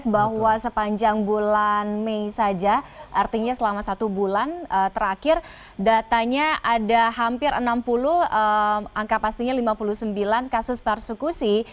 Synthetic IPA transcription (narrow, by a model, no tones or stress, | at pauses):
t̪̚bahwasəpaɲd͡ʒaŋbulanmeisad͡ʒaʔart̪iɲasəlamasat̪ubulanət̪əɾakɪr | dat̪aɲaʔadaɦampɪɾə̰nampulʊhəʔaŋkapast̪iɲalimapuluhsəmbilankasʊspərsəkusi